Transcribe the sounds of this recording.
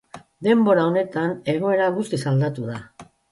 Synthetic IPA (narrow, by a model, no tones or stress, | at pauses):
d̪e̞mbo̞ɾao̞ne̞t̪ane̞ɣ̞o̞e̞ɾaɣust̪isald̪at̪uða